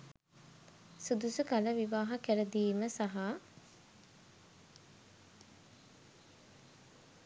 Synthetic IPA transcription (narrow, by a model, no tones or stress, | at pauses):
sud̪usukaləʋiʋaːɦakæɾəd̪iːməsaɦa